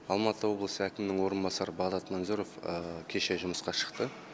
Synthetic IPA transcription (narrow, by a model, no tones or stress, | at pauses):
ɑlˠmɑt̪əwo̞blˠəsəækʲɪmnɪŋwo̞ɾənbɑsɑɾəbɑʁd̪ɑt̪mɑnzuɾo̞fkʲʰe̞ʃe̞ʒʊməsqɑʃə̥qt̪ə